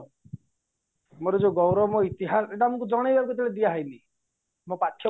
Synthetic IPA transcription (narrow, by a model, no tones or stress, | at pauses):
moɾɔd͡ʒoɡɔwɾɔmoit̪iɦaseʈamɔŋkud͡ʒɔɽ̃ejbakɔt̪ʰiled̪iaɦajni | mopat̪ʰjɔ